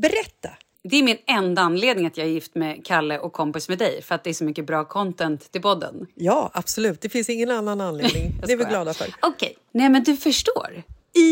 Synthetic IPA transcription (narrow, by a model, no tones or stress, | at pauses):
bɛɾɛt̪ːa | d̪ɛæɾmɪnɛnd̪aanːleːd̪nɪŋat̪jɑːhaɾjɪft̪mɛkʰalːəʔɔkʰːɔmpɪsmɛd̪ɛjfœɾat̪̚d̪ɛæʂɔmʏkːəbɾɑːkʰɔnt̪ɛnt̪ːɪlpɔd̪ːə̰njɑːab̥sɔlʉ̟ːt̪̚d̪ɛfɪnsɪŋːənanːananled̪nɪŋnɛvɪɡlɑːd̪afœ̰ːɾɔkʰɛj | nɛmɛnd̪ɵfœʂʈo̰ːɾ